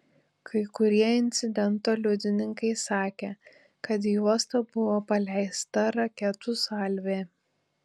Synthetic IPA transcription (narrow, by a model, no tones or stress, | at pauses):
kʰɐɪkʊɾʲiɛɪnʲt̪sʲɪd̪ʲɛnt̪oːlʲʊd̪ʲɪnʲɪŋkɐɪsɑːkʲeː | kɐt̪̬juɔst̪ɐbʊʋoːpɐlʲɛɪst̪ɐɾɐkʲɛt̪ʊsɐlʲʋʲeː